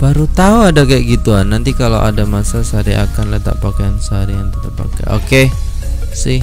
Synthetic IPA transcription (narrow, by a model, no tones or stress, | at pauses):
b̥aɾut̪auadakaɛʔɡit̪uanːant̪ikalo̰wʔadamasasəaɾiʔa̰kanlət̪a̰ʔpakajansəɦaɾiaŋt̪ət̪apa̰ka̰ʔo̰ke | sɪh